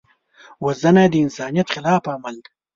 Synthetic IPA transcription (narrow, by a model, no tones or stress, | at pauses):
wazɐnad̪əɪnsɑːnijɐt̪χɪlɑːfaːmɐld̪